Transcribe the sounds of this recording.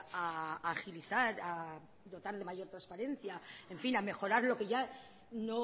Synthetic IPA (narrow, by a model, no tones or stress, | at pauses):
aːxiliθaɾa | d̪o̞t̪aɾðe̞maʝo̞ɾt̪ɾaspaɾe̞n̟θjae̞ɱfiname̞xo̞ɾaɾlo̞ke̞ʝa | no̞